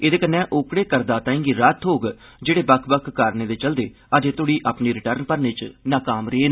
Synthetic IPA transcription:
eːd̪eːkənːɛ̃ːʔoːkɽeːkəɾd̪aːt̪aːĩːŋɡiːɾət̪ʰɦoːɡ | d͡ʒeːɽeːbəkʰbəkʰːaːɾneːd̪eːt͡ʃəld̪eː | əd͡ʒeːt̪ʊɽiːʔaːpniːɾɪʈəɾnpəɾneːt͡ʃnaːkaːmɾeːnː

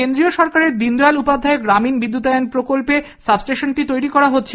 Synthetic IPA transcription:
end̪ɾioʃɔɾkaɾeɾd̪ind̪ojalupad̪ʱaeɡɾaminbid̪ːut̪aonpɾokolpe | sabsʈeʃonʈit̪ojɾikɔɾaɦotːɕʰe

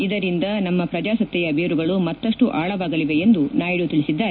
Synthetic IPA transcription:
id̪ɐɾind̪ɐnɐmːɐpɾɐd͡ʒaːsɐt̪ːjɛjɐbeːɾuɡɐɭumɐt̪ːɐʂʈuʔaːɭɐʋaːɡɐliʋe̞end̪unaːjiɽut̪iɭisid̪ːaːɾe

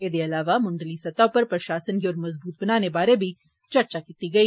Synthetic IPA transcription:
eːd̪eɐlaːʋamʊ̃ɳɖəlisɐt̪aopɐɾpɾɐʃaːsənɡiɔːɾmɐzbuːt̪̚bɐnaːnebaːɾebʱi | t͡ʃɐɾt͡ʃakiːt̪iɡɐiː

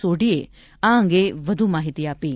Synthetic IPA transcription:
oːɽie | ãə̃ŋɡeʋɐd̪ʱumaːɦit̪iaːpiː

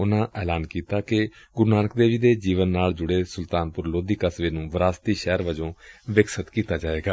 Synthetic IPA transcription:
ʊnãːʔɛːlaːnkiːt̪aːkɪɡʊɾnaːnəkd̪eːʋiːd̪eːd͡ʒiːʋənːaːld͡ʒʊɽeːsʊlt̪aːnpʊɾloːd̪iːkəsʋeːnũːʋəɾaːst̪iːʃɛːɾʋəd͡ʒõːʋɪksət̪kiːt̪aːd͡ʒaːeːɡaː

